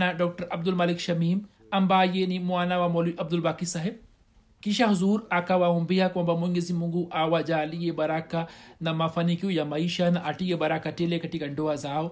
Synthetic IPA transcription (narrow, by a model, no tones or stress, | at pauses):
naɖoːk̚ʈɐɾɐb̚d̪ulmɐlikʃɐmiːm | ɐmbaːjenimuaːnawamoliʔɐb̚d̪ulbakisɐɦeb̚ | kiʃ̬aɦuzuːɾakawaɦũmbijakwɐmbɐmuŋɡezimuŋɡuʔaːwad͡ʒaːlijebɐɾakanɐmɐfɐnikiwjamɐiʃanaʔɐʈijebɐɾakaʈelekɐʈiɡɐɳɖowazaːw